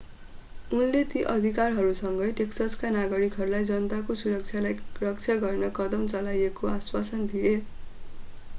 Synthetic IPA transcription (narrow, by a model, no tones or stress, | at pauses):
unlet̪iʔʌd̪ʱikarɦʌɾusʌŋɡʌjʈeksʌskanaɡʌɾikɦʌɾulajd͡zʌnʌt̪akosuɾʌk̚t͡sʰjalajrʌk̚t͡sʰjaɡʌrnʌkʌd̪ʌmt͡sʌlajekoaswasʌnd̪ije